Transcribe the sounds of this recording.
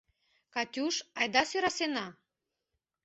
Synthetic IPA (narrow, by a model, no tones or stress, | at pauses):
kɑtʲuʃɑjd̪ɑsyɾɑsenɑ